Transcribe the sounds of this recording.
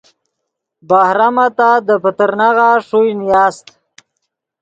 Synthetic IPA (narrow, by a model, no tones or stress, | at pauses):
bahɾamat̪ad̪əpət̪əɾnaɣaʂujnjaːst̪